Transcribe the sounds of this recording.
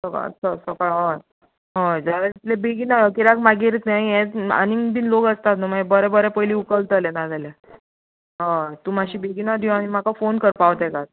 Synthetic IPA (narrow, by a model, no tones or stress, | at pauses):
səka̰səsəkaɭɦə̃ | ɦə̃d͡zaɾeit̪lebeɡinaɔkiɾakmaɡiɾt̪aĩɛ̃t͡sə̰niŋbiːnloɡəst̪at̪numabəɾɛbəɾɛpəɦiliːukəlt̪ːlenad͡zale | ɦə̃t̪umaɕiːbeɡinad̪ʱuanim̤akafonkəɾpaʋt̪ɛkaɾ